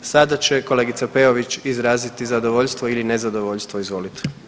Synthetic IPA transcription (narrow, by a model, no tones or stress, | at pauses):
sad̪at͡ɕe̞ko̞le̞ːɡit̪sape̞oʋit͡ʃizɾaːzit̪izad̪o̞ʋo̞ʎst̪ʋoiline̞zad̪o̞ʋo̞ʎst̪ʋoizʋo̞ːlit̪i̥